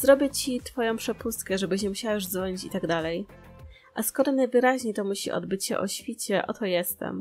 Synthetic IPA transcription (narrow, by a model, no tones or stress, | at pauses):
zɾɔbʲjɛt͡ɕit̪fɔjɔ̃w̃pʂɛpust̪kɛʐɛbɘɕ̬ɲɛmuɕawaʐd̪vɔɲit͡ɕit̪aɡd̪alɛj | ʔaskɔɾɔnajvɘɾaʑɲejt̪ɔmuɕḭʔɔ̰d̪bɘt͡ɕɕɛ̰ʔɔ̰ɕfʲit͡ɕɛʔɔt̪ɔjɛst̪ɛ̰m